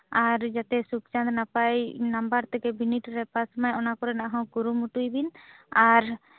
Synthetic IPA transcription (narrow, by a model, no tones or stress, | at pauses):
aɾd͡ʒat̪ɛsukt͡ʃand̪napajnambaɾt̪ɛkɛbiniʈɾɛpasmajɔnakɔɾɛnaʔɦɔ̃ɡuɾumuʈujbinaɾ